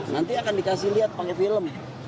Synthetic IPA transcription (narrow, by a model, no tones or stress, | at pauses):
nant̪iakandikasihliat̪̚pakɛfiləm